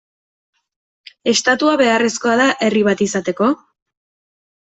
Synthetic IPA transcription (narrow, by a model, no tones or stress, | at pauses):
e̞st̪at̪uaβe̞aresko̞aðaʔe̞riβ̞at̪isat̪e̞ko̞